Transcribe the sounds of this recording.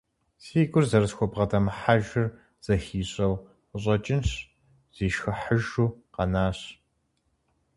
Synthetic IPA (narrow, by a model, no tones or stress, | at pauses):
siːɡʷʼʊrzɐrɨsxʷɔbʁɐdʰɐmɨħaʒɪr | z̥ɐxiːɕʼɐw | əɕʼɐt͡ʃʼɪnɕ | z̥iːʃxɨħəʒuːqɐnaːɕ